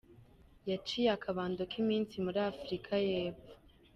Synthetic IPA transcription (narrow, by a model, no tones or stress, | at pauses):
jat͡ʃijakʰaβaːndokʰimiːnsimuɾiafɾikʰajeːpfu̥